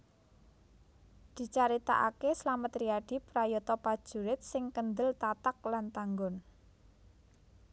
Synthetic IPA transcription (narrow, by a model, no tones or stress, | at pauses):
d̪̥i̤t͡ʃaɾit̪a̰ʔakeslamət̪ɾiaɖ̥i̤pɾajɔt̪ɔpad̥ʒ̥ṳɾɪt̪̚sɪŋkənd̪əlt̪at̪ak̚lant̪aŋɡɔn